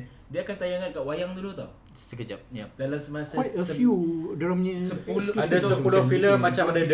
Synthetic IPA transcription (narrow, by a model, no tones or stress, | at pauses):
diaːkant̪ajaŋankaʔwajaŋdulut̪ɔ̰h | səkəd͡ʒap̚jad̪alasəmasaəəfjudalamɲaəpuladassəulfiləmːat͡ʃamadad